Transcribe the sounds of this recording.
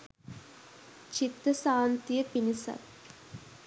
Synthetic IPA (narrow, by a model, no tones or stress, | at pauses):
t͡ʃit̪ɾɐsaːnt̪ijəpinisɐ̰t